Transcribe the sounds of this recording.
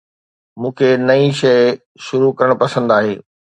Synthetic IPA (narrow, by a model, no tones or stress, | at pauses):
mũːkʰenɐĩʃɐɪ | ʃʊɾukɐɾəɽ̃pɐsə̃nd̪aːɦeː